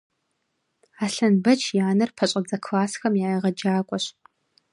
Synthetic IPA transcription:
aːɬɐnbɐt͡ʃʰjaːnɐrpʰɐɕʷʼɐd͡zɐkʰlaːsxɐmjaːjiʁɐd͡ʒaːkʷʼɔɕ

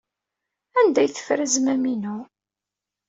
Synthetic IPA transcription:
ænd̪æjθə̥fɾəzmæminu

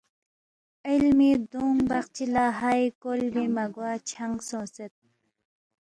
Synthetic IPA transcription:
ilmid̪uŋbɐxt͡ɕʰilaːɦajkolbimɐɡwaːt͡ɕʰɐŋɡsõːset̪̚

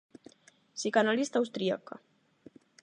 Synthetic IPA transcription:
sikanalist̪awst̪ɾia̰ka̰

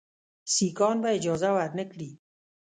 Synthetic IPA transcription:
siːkɔːnbaɪd͡ʒɔːzawaɾnɪkɾiː

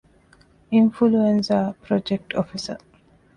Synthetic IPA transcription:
ĩnfuluẽnsəpɾɔd͡ʒek̚ʈʰofisə̰

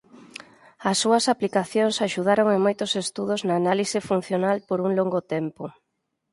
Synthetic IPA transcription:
ɐsːuɐsaplikaθjoŋsaʃuð̞aɾoŋemojt̪osest̪uð̞ʊznaːnalisɪfun̟θjonalpoɾuŋloŋɡʊt̪ɛmpʊ

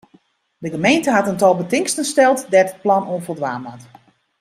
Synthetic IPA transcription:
dəɡəmejntəɦatəntɔlˠbətɪŋstənstɛlˠtdɛdət̚plɔnuənfərdʋaːmat

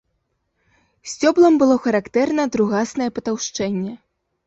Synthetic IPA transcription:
sʲt͡sʲɔblˠɐmbɨlˠɔxɐɾakt̪ɛrnɐd̪ɾuɣasnɐjɛpɐt̪awʂt͡ʂɛnʲːɛ

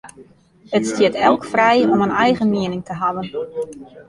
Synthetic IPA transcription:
ətstjɪətɛlˠkfrɛjɔmənɛjɣəmiənɪŋtʰəɦaʋən

